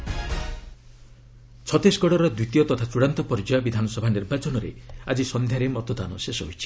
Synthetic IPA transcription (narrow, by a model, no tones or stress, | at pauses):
t͡ʃʰɔt̪esɡɔɽɔɾɔd̪wit̪ijɔt̪ɔt̪ʰat͡ʃuɽant̪ɔpɔɾd͡ʒɔjɔbid̪ʱanɔsɔbʱaniɾbat͡ʃɔnɔɾḛad͡ʒisɔnd̪ʱjaɾemɔt̪ɔd̪a̰nɔ̰sesɔɦojt͡ʃʰi̥